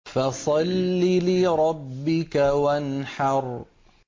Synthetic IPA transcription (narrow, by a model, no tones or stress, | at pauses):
fasˤɑlːilɪɾˤɑbːɪkawanħɑɾˤ